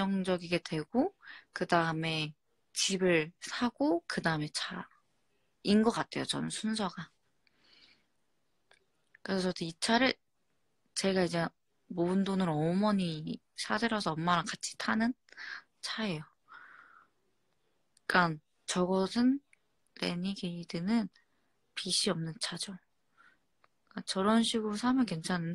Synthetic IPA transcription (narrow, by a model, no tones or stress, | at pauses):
ʌŋd͡ʑʌɡiɡe̞dwe̞ɡ̥okɯdaɯme̞ | t͡ɕibɯɭsʰaɡokɯdaɯme̞t͡ɕʰa | inɡʌk͈atʰe̞jot͡ɕʌnɯnsʰunsʰʌɡa | kɯɾesʰʌsʰʌtʰit͡ɕʰaɾɯ | t͡ɕe̞ɡaid͡ʑe | moɯndonɯɾʌmʌɲi | sʰadɯɾʌsʰʌːmːaɾakat͡ɕʰi̥tʰanɯn | t͡ɕʰaejo | k͈an | t͡ɕʌɡʌsʰɯn | lḛɲiɡeidɯnɯn | piɕʰiʌmnɯnt͡ɕʰad͡ʑo | k͈at͡ɕʌɾʌnɕʰiɡuɾosʰamjʌkwent͡ɕʰaanɯn